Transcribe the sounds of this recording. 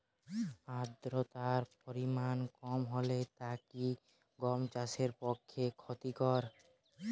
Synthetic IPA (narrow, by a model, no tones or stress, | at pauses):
ad̪ɾot̪aɾpoɾimankɔmɦolet̪aki | ɡɔmt͡ɕaʃeɾpokʰːekʰot̪ikɔɾ